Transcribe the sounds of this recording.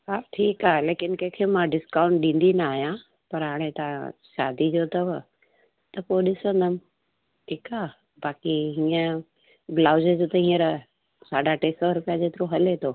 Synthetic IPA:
ɦaːʈʰiːkaːɦeleːkɪnkɐ̃ɦɪ̃kʰeːmãɖɪskaːʊ̃ɳʈ̚ɗĩːn̆d̪inaaːɦijã | pɐɾɦaːɽ̃et̪ãʃaːd̪id͡ʑoːt̪ɐʋ | t̪ɐpoɗɪsə̃nd̪əmɪ | ʈʰiːkaːɦ | baːkiɦĩːə | ɡlaːʊzed͡ʑoːt̪ɐɦĩːəɾ | saːɖʱaʈeːsɔɾʊpijad͡ʑeːt̪ɪɾõɦɐlet̪ʰoː

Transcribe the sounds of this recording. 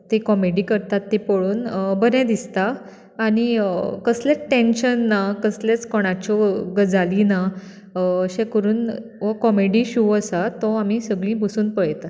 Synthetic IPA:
t̪ekɔmeɽikəɾt̪at̪ːipoɭuːnbəɾɛ̃d̪ist̪aː | ɽ̃ikəslẽʈẽnɕənːakəslet͡skɔɽ̃at͡ɕɔɡəd͡zalina | əɕẽkəɾuːnʋɔkɔmeɽiːɕuwəsat̪ɔamisəɡɭĩːbəsuːnpəɭt̪a

